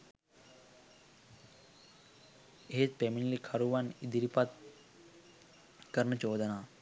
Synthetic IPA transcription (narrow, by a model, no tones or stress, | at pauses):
eespeminlikʰɐɾuʋanid̪iɾipat̪̚ | kəɾnət͡ʃoːd̪ənaː